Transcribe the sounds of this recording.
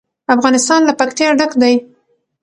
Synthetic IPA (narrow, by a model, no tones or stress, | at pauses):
afɣɑnɪst̪ɑnlapakt̪jɑɖakd̪aj